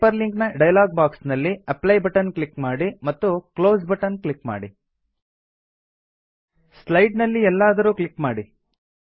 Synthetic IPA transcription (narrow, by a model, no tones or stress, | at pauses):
ɐɾliŋknɐɖɐjɐlaːɡ̚baːksnɐlːiɐplɐjbɐʈɐnklikmaːɽimɐt̪ːukloːsbɐʈɐnklikma̰ːɽi | slɐjɖnɐlːiɛlːaːd̪ɐɾuːklikmaːɽi